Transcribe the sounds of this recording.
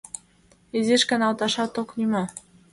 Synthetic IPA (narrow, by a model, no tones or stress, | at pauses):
ezeʃkɑ̆nɑlt̪ɑʃɑt̪oknymo